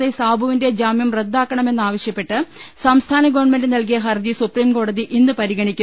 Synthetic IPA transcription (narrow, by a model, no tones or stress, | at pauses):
esaːbʱɐʋinded͡ʑaːmjɐmred̪ːaːkːɐɳɐme̞nːaːʋɐɕjɐpːe̞ʈːɨsɐmst̪ʰaːnɐɡɐʋɐɳme̞ndɨnɐlk̬ijɐɦɐrd͡ʑisupriːmko̞ːɽɐðiʔinːɨpɐɾiɡɐɳikʲːu